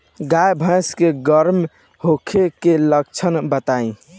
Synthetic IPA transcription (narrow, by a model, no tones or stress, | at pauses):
ɡajbʱə̃ɪskeɡəɾm | hokʰekeləkt͡ʃʰənbət̪aĩ